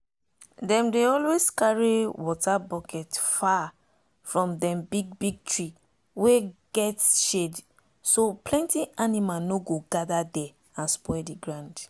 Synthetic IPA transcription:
dɛ̃mdeɔlweskaɹiwɔtabɔkʰɛtfa | fɹɔ̃mdɛ̃mbiɡ̚biɡ̚tɹi | weɡ̥ɛtʃed | soplɛ̃ntiʔanimanoɡoɡadadɛ | ãnspɔɛdiɡɹãʊ̃nd

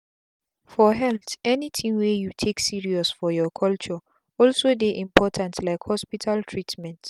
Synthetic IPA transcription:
fɔɦɛltɛnitʰĩŋwejutʰeksiɹiɔsfɔjɔkʰɔlt͡ʃɔ | ɔlsodeʔĩmpʰɔtʰãntʰlaɪkhɔspitʰaltʰɹitmɛ̃nt

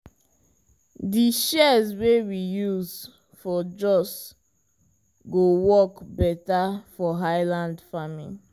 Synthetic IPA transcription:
diʃɛzwewijuz | fɔd͡ʒɔs | ɡowɔkbɛtafɔɦaɪlãndfamḭ̃n

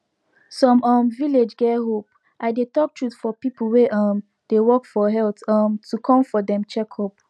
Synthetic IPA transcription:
sɔ̃mamviled͡ʒɡɛɦop̚ | ʔaɪdetɔk̚tʰɹutfɔpipəl̩ˠweʔam | d̥ewɔkfɔɦɛltamtʰukʰɔ̃mfɔdɛ̃mt͡ʃɛkʰɔp̚

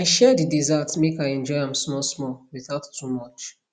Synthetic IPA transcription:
aɪʃɛdidizatmekaɪɛ̃nd͡ʒɔɪãmsmɔsmɔwiθaʊtːumɔt͡ʃ

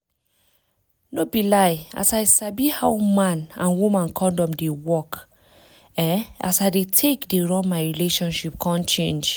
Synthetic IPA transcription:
nobilaja̰saɪsabihawmãnãnwumãnkʰɔ̃ndɔ̃mdewɔk | ɛasaɪdetʰekdeɹɔ̃nmaɪɹileʃɔ̃nʃip̚kʰãnt͡ʃẽnd͡ʒ

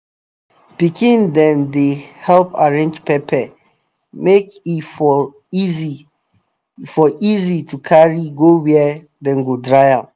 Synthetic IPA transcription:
pikĩndɛ̃ndehɛlpaɹẽnd͡ʒpʰɛpʰɛ | mekif | zi | fɔʔizitukʰaɹiɡowɛ | dɛ̃nɡodɹaɪãm

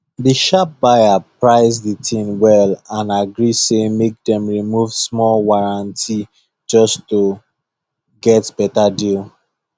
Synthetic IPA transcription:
diʃap̚baɪapɹaɪzðətʰĩmwɛlãnaɡɹisemek̚dɛ̃mɹimuvsmɔlwaɹãntʰi | d͡ʒɔsto | ɡɛtb̥ɛtadil

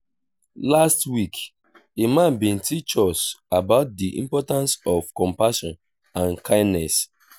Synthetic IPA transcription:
lastwik | emãnbĩntit͡ʃɔsabaʊt̚diʔḭ̃mpɔtãnsɔv̥kɔ̃mpaʃɔ̃n | ãnkʰãɪ̃nnɛs

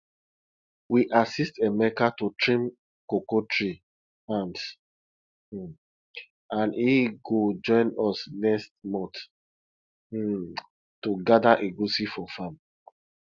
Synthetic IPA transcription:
wiʔasistemɛkatutɹĩm | kokotɹi | ãns | ãniɡod͡ʒɔ̃ɪ̃nɔsnɛst̚mɔ̃t | tuɡadaʔeɡusifɔfãm

